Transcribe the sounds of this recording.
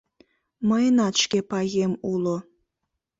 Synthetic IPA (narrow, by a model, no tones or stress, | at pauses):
məjənɑt̪ʃkepɑɣemulo